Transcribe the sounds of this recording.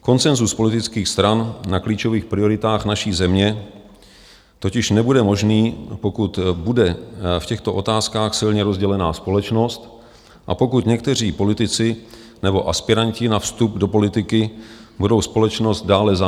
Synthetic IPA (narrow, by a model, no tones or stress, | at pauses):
ko̞nt͡sɛnzuspo̞lɪt̪ɪt͡skiːxst̪ɾannakliːt͡ʃo̞viːxpɾɪo̞ɾɪt̪aːxnaʃiːzɛmɲɛ | t̪ocɪʃnɛbudɛmo̞ʒniːpo̞kut̪budɛfcɛxt̪o̞ʔo̞t̪aːskaːxsɪlɲɛɾo̞zɟɛlɛnaːspo̞lɛt͡ʃno̞st̪ | ʔa̰po̞kut̪ɲɛk̚t̪ɛr̝iːpo̞lɪt̪ɪt͡sɪ | nɛbo̞ʔaspɪɾaɲcɪnafst̪updo̞po̞lɪt̪ɪkɪbudo̞wspo̞lɛt͡ʃno̞st̪̚daːlɛza